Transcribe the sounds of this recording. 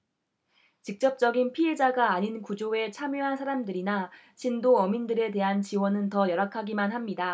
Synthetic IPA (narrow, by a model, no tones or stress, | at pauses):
t͡ɕik̚t͡ɕ͈ʌp̚t͡ɕ͈ʌɡinpʰiɦe̞d͡ʑaɡaːɲinkud͡ʑoe̞t͡ɕʰamjoɦansʰaɾamdɯɾina | t͡ɕindoʌmindɯɾe̞te̞ɦant͡ɕiwʌnɯntʌjʌɾakʰaɡimanɦamɲida